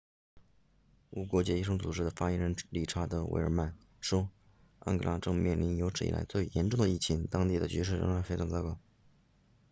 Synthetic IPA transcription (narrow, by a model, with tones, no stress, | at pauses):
u˧˥˩kwɔ˧˥t͡ɕjɛ˥˧i˥˩ʂɤ˥ŋt͡su˨˩ʈ͡ʂɻ̩˥d̪ə˨fa˥˩jɛ˧˥nɻə˧˥nli˥˩ʈ͡ʂʰa˥t̪ə˧˥wḛ˥˩ə̰˞˨˧˩ma˥˩n | ʂwɔ˥ | a̰˥nkɤ̰˧la˧˥ʈ͡ʂɤ˥˧ŋmjɛ˥˩nli˧˥njo˧˥ʊʈ͡ʂʰɻ̩˧˩ḭ˩ʔa̰˧˥ɪt͡swe˥˩ɪjɛ˧˥nʈ͡ʂʊ˥˩ŋd̪ə˩i˥˩t͡ɕʰi˧˥ŋt̪ɑ˥ŋt̪i˥˩d̪ə˩t͡ɕy˧˥ʂ̬ɻ̩˥˩ɻə̰˧˥ŋɻa˧˥ɪfe˥ɪʈ͡ʂʰɑ˧˥ŋt͡sɑ˥kɑ˥˩ʊ